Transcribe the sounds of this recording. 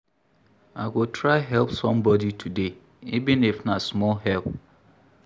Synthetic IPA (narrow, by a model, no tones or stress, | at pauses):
aɪɡotʰɾaɪɦɛlpsɔ̃mbɔditʰude | ivɪ̃nɪfnasmɔlɦɛlˠp